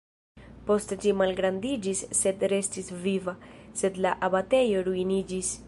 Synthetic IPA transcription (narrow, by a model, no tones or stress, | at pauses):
po̞std͡ʒimalɡɾandid͡ʒisːe̞dɾe̞stisvivase̞d̪laʔabate̞jo̞ɾuinid͡ʒis